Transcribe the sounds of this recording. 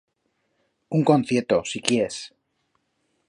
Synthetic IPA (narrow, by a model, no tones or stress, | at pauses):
uŋko̞nθjeɾt̪osikjees